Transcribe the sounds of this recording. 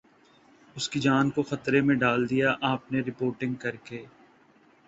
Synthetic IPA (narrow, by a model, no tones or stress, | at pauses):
ʊskid͡ʒaːnkoxɐt̪ɾemẽɖaːld̪ijaʔaːpneɾɪpoːɾʈɪ̃ŋɡkɐɾkeː